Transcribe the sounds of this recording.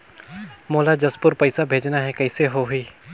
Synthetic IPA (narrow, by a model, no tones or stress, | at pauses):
moːlad͡ʒɐspʊɾpɐɪsabʱeːd͡ʒnaɦɛkɐɪseɦoɦiː